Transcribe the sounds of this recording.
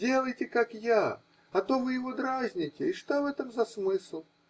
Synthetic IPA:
dʲe̞lˠəjtʲɪkakja | ɐt̪o̞vɨjɪvo̞d̪ɾazʲnʲɪtʲɪɪʂt̪ovɛt̪əmzɐsmɨslˠ

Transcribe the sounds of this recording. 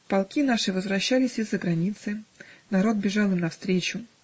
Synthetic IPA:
pɐlˠkʲinaʂɨvəzvɾɐɕːalʲɪsʲɪzːəɡɾɐnʲit̪sɨnɐɾo̞t̪̚bʲɪʐɑlˠɨmnɐfst̪ɾʲet͡ɕʊ

